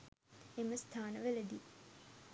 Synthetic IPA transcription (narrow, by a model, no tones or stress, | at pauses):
eməst̪ʰaːnəʋæled̪i